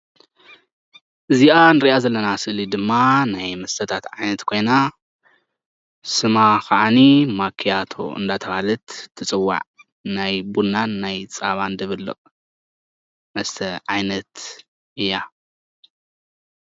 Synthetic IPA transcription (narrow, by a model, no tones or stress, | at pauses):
ʔɨziʔanɨɾiʔazɐlːɐnasɨʔlid̪ɨmːanajmɐst̪ʰɐt̪ʰat̪ʕajnɐt̪kʰo̞jna | sɨmakaʔanimakʰːijat̪ʰo̞̰ʔɨ̰nd̪at̪ʰɐβalɨt̪t̪ʰːɨt͡sʼɨwːa̰ʕ | najbunːanːajt͡sʼaβand̪ɐβɨlːɨ̰χʼ | mɐst̪ʰɐʕajnɐt̪ | ʔɨjːa